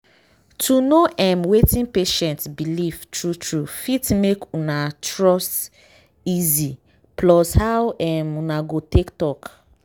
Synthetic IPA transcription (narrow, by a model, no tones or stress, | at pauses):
tʰunoʔɛmwetĩnpeʃɛ̃ntbilivtɹutɹufitmekunatɹɔs | izi | plɔshawɛmunaɡotektɔk